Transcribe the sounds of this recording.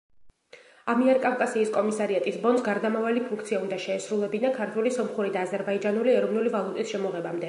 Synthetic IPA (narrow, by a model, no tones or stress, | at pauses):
amiɛɾkʼafkʼasiːskʼɔmisaɾiat̪ʼisbɔnd̪sɡaɾd̪amavalipʰuŋkʰt̪sʰiaund̪aʃɛːsɾulˠɛbinakʰaɾt̪ʰwɛlisɔmχuɾid̪aːzɛɾbaid͡ʒanuliɛɾɔvnulivalˠut̪ʼisʃɛmɔʁɛbamd̪ɛ